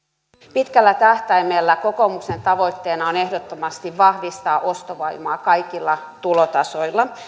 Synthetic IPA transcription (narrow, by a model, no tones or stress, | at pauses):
pit̪kælːæt̪æht̪æimelːæko̞ko̞mukse̞nt̪ɑʋo̞it̪ːeːnɑone̞hdot̪ːomɑst̪iʋʋɑhʋist̪ɑːʔo̞st̪oʋɑimɑːkɑjkilːɑ | t̪ulot̪ɑso̞jlːɑ